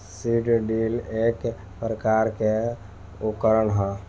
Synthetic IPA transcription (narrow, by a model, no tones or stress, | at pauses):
siʈɖilek | pɾəkaɾke | ukəɾəɳɦɔ̃